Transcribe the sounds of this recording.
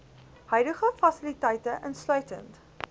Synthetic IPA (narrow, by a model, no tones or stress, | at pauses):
hœɥdəχəfɐsilitɛjtəʔənslœɥtə̰nt